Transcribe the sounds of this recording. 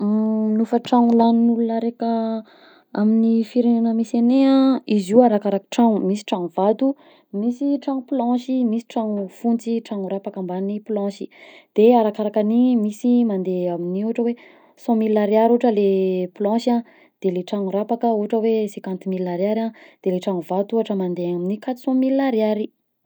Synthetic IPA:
nufəʈ͡ʂaŋulaninulunaɾekə | aminifiɾenanəmiseneãizuaɾakaɾakə̥ʈ͡ʂaŋumisi̥ʈ͡ʂaŋuvad̪u | misiʈ͡ʂaŋuplɔ̃ʃimisi̥ʈ͡ʂaŋufunt͡siʈ͡ʂaŋuɾapakambaniplɔ̃ʃid̪̥eaɾakaɾakanimisimand̪eaminiuaʈ͡ʂəwe | sɔ̃milːaɾiaɾuʈ͡ʂəleplɔ̃ʃã | d̪̥eleʈ͡ʂaŋuɾapakəuaʈ͡ʂəwesekãnt̪imilːaɾiaɾãd̪̥eleʈ͡ʂaŋuvat̪uuaʈ͡ʂəmand̪eaminikat̪i̥sɔ̃milːaɾiaɾi

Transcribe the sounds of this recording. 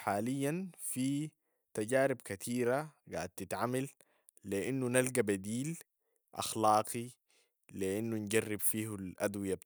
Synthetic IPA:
ħaːlijːanfi | t̪aɟaːɾibkat̪ʰiːɾaɡa̰ːʕad̪̚t̪it̪ʕamal | liʔinːunalɡabad̪iːl | ʔɑ̰xlɑːqi | liʔinːunɟarːibfiːhalʔad̪wijab

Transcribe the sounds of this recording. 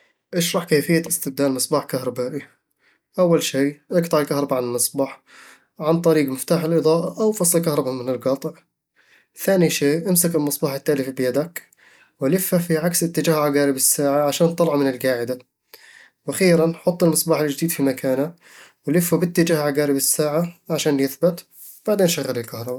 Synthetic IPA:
ʔɪʃɾˤɑħkeːfɪjːaɪst̪ɪb̚d̪aːlmɨsˤbaːħkahɾˤɑbaːʔi | ʔawːalʃiːʔɑɡt̪ˤɑʕɪlkahɾˤɑbaʕanɪlmɨsˤbɑːħ | ʕant̪ˤɑɾiːɡmɪft̪aːħɪlʔɨðˤɑːʔaʔawfɑsˤlkahɾˤɑbamɪnɪlɡɑt̪ˤʕ | θaːniʃeːʔamsakɪlmɨsˤbɑːħɪt̪ːaːlɪfibɪjad̪ak | walɪfːafiʕaksɪt̪ːɪd͡ʒaːhʕaɡaːɾɪbɪsːaːʕaʕaʃaːnt̪ˤːɑlɑʕmɪnɪlɡaːʕɪd̪a | wʔaxiːɾanħʊt̪ˤːɪlmɨsˤbɑːħɪld͡ʒd̪iːd̪fimakaːna | wɪlɪfːabɪt̪ːɪd͡ʒaːhʕaɡaːɾɪbɪsːaːʕaʕaʃaːnjɪθbɪt̪ | b̥aʕd̪eːnʃaɣːalɪlkahɾˤɑba

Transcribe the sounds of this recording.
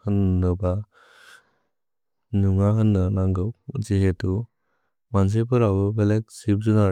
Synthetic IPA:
hɯnːɯba | nuŋaɦɯnːɯnaŋɡɯwd͡ʒiɦetu | mans̬epɯɾawbɯbelek̚sip̚zuna

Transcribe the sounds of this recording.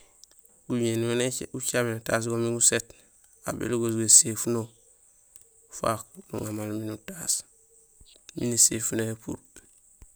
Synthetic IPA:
ɡuɲenueneut͡ʃamenutaːs̬ɡomiŋɡuset | a̰bḛluɡosɡasefuno | fa̰klṵŋamalminutas | minisefuneepṵɾ

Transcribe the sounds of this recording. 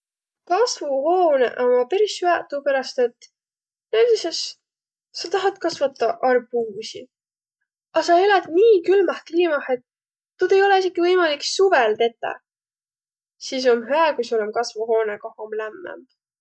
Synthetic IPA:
kɑsvuhoːnḛʔomɑpe̞ɾishyæt̪ːˑupeɾɑst̪et̪ː | næd̪ises | sɑt̪ɑɦɑt̪kɑsvɑt̪ːˑɑʔɑrbuːsḭ | ɑsɑeled̪̥niːkylmɑhk̪liːmɑhe̞t̪ː | ud̪̥e̞jo̞le̞iseɡ̥ivɤjmɑliksuvelt̪e̞t̪ːˑɑ̰ | sis̬o̞mɦæːkujsolemkɑsvuɦo̞ːnekɑhomlæmːæ̰m

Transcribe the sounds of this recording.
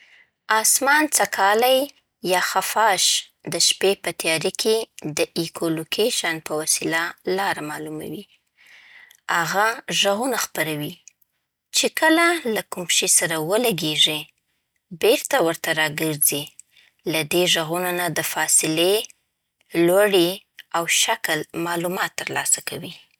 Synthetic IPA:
ɑsmɑnt͡sakʰɑlaj | jɑxafɑʃ | d̪əʃpepət̪jɑɾikʰed̪əʔikʰolokʰeʃanpəwasilalɑɾamɑluma̰wi | haɣaʒaɣunaxpaɾawi | t͡ʃekəlalakumpʃisaɾawəlaɡeʐi | beɾt̪awəɾt̪aɾɑɡəɾzi | lad̪eʒaɣunanad̪əfɑsɪle | lwaɽiawʃaklmɑlumɑt̪ːəɾlɑsakawi

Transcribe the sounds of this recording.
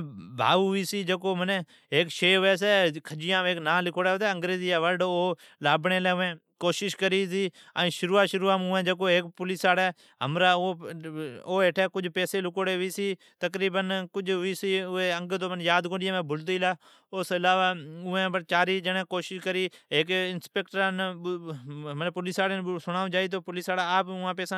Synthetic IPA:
bʱa̰ːʋuːiːsiːd͡ʒəkoːmən | eːkʃeːʊɛːs̬eːkʰəd͡ʒɪjãːeːknãːlɪkʰoːɽeːot̪ɛːəŋɡɾeːziːaːʋəlɖoː | laːbɳeːlɛːẽː | koːʃɪʃkəɾiːsiː | ã̰ːʃʊɾuːaːʃʊɾuːaːmʊɛ̃ːd͡ʒəkoːeːkpʊliːsaːɽɛː | ɦə̰mɾaːoː | oːeːʈʰɛːkʊd͡ʒpɛːseːlɪkoːɽeːʋiːsiː | t̪əkɾiːbənkʊd͡ʒiːsiːʊeːə̃ŋɡt̪oːnjaːd̪kõːɖɪjẽːmẽːbʊlt̪iːlaː | ʊsɪlaːʋaːʊɛ̃ːbət͡ʃaːɾiːd͡ʒənɛ̃ːkoːʃɪʃkəɾiːeːkɪnspeːkʈəɾãːn | ɦəmnẽːpʊlisaːɽesʊɽaːõd͡ʒaːiːt̪̬oːpʊliːsaːɽaːaːpʊãːpɛːsãː

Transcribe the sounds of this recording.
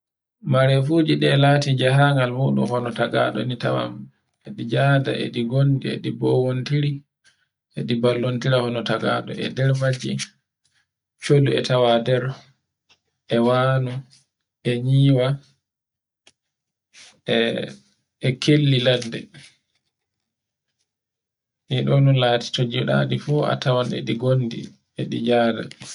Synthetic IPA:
maɾɛfuːd͡ʒiɗɛlaːtid͡ʒaɦaŋɡalmuɗṵmhɔnɔtaɡa̰ɗɔ̰nitawa̰m | ɛɗid͡ʒaːda̰ʔɛ̰ɗiɡondiḛɗibɔwontiɾi | ɛɗibalːontiɾahɔnɔtaɡa̰ɗɔ̰ɛ̰dɛɾmad͡ʒḭ | t͡ʃoduɛ̰tawadɛɾ | ʔɛwaːnu | ʔɛɲiːwa | ɛkʰelːiladːɛ̰ | niɗɔnulaːti̥tod͡ʒiɗa̰ɗifua̰tawanɛ̰ɗiɡondḭ | ɛɗid͡ʒaːda̰

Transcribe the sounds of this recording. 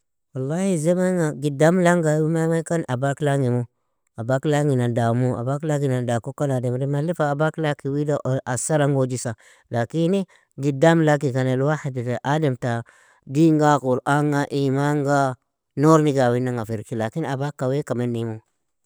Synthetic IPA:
walːahizemaŋaɡidamlaŋɡaimamakanʔabaklaŋimo | abaklaŋinadamua̰baklaŋɡinadakokanademɾimalifaabaklakiwidaasaɾaŋɡod͡ʒisa | lakini | ɡidamlakikanelwaiditeʔadamta | diŋɡakuɾaŋaʔimaŋɡa | noɾniɡawinaŋafiɾkilakinabakawekamanimo

